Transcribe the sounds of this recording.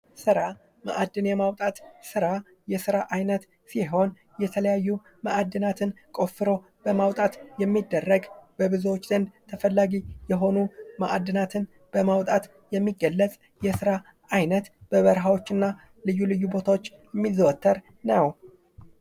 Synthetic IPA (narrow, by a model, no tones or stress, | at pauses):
sɨɾa | ma̰ʔad̪ːɨnjɛmawt̪ʼat̪sɨɾa | jɛsɨɾaʔajnət̪ | siɦo̞n | jɛt̪ʰələjajːu | maʔad̪ːɨnat̪ʰɨnkʼo̞fːɨɾo̞ | b̥əmawt̪ʼat̪jɛmːid̪ːərːəɡb̥əbɨzuwot͡ʃːd̪ənd̪t̪ʰəfəlːaɡijɛɦo̞numaʔad̪ːɨnat̪ʰɨn | b̥əmawt̪ʼat̪ | jɛmːiɡːəlːət͡sʼ | jɛsɨɾa | ʔajnət̪b̥əβəɾɦawo̞t͡ʃːɨnːa | lɨjːulɨjːubo̞t̪ʰawot͡ʃː | ɛmːizəwɔt̪ʰːəɾ | nəw